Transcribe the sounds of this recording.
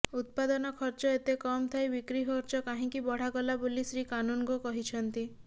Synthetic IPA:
ut̪̚pad̪ɔnɔkʰɔɾt͡ʃɔet̪ekɔmt̪ʰajbikɾiɦɔɾt͡ʃɔkaɦĩkibɔɽ̤aɡɔlabolisɾikanunkukɔɦit͡ʃʰɔnt̪i

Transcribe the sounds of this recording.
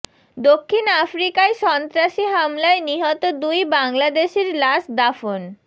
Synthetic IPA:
d̪okʰːinafɾikaeʃɔnt̪ɾaʃiɦamlaeniɦɔt̪od̪ujbaŋlad̪eʃeɾlaʃd̪afon

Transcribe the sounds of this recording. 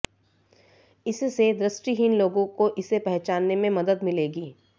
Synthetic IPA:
ɪssed̪ɾɪsʈiɦɪnloːɡõkoʔɪsepɛɦt͡ʃaːnːemẽmɐd̪əd̪mɪleːɡiː

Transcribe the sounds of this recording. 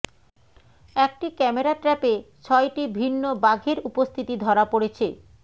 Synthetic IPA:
ɛk̚ʈikɛmeɾaʈɾɛpet͡ɕʰɔjʈibʱinːobaɡʱeɾupost̪ʰit̪id̪ʱɔɾapoɽet͡ɕʰe

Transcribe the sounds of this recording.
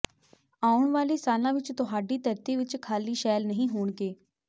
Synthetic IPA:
aːʊɳʋaːliːsaːlãːʋɪt͡ʃt̪ʊɦaːɖiːt̪əɾt̪iːʋɪt͡ʃkʰaːliːʃɛːlnəɦĩːɦoːɳkeː

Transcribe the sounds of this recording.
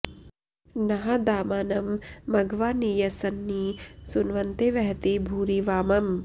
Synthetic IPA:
nɐɦɐd̪aːmaːnɐmːɐɡʋaːniːjɐsɐnːisunʋɐnt̪eʋɐɦɐt̪ibʱuːɾiʋaːmɐm

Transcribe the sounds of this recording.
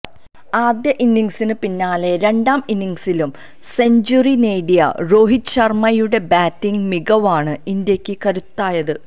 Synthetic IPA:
aːd̪jɐʔinːiŋsinɨpinːaːle̞ɾe̞ɳɖaːminːiŋsilum | se̞ɲd͡ʑurineːɽijɐ̰ro̞ːɦit͡ɕɐrmɐjuɽe̞baːtːiŋɡmiɡɐʋaːɳɨind̪jɐkʲːɨkɐɾut̪ːaːjɐðɨ

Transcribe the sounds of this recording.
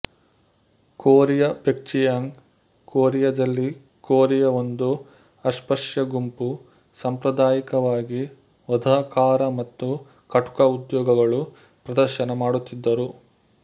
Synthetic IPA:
koːɾijɐbek̚t͡ʃijaŋ | koːɾijɐd̪ɐlːi | koːɾijɐond̪u | ɐʃpɐʂjɐɡumpu | sɐmpɾɐd̪aːjikɐʋaːɡi | ʋɐd̪ʱaːkaːɾɐmɐt̪ːu | kɐʈu̥kɐud̪jɔːɡɐɡɐɭu | pɾɐd̪ɐɾʃɐnɐmaːɽut̪ːid̪ːɐɾu

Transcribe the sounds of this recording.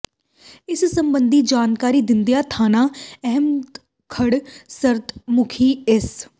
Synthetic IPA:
ɪssəmbənd̪iːd͡ʒaːnkaːɾiːd̪ɪnd̪ijaːt̪ʰaːnaːɛɦəmt̪ | kʰəɽsəɾt̪mʊkʰiːɪs

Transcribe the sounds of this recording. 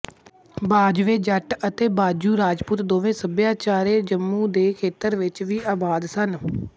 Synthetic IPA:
baːd͡ʒʋeːd͡ʒəʈət̪eːbaːd͡ʒuːɾaːd͡ʒpuːt̪d̪oːʋẽːsəbjaːt͡ʃaːɾeːd͡ʒəmːũːd̪eːkʰeːt̪əɾʋɪt͡ʃʋiːʔaːbaːd̪sən

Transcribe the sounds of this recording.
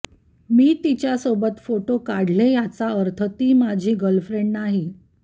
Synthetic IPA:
miːt̪it͡ɕjasobət̪foʈokaɽ̤lejat͡saəɾt̪ʰət̪iːmad͡ʑʱiːɡəlfɾeɳɖnaɦi

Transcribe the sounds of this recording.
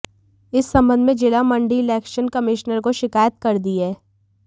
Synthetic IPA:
ɪsːɐ̃mbə̃nd̪mẽd͡ʒɪlamɐ̃ɳɖiɪlɛːkʃənkɐmɪʃnəɾkoʃɪkaːjət̪̚kɐɾd̪iɦɛː

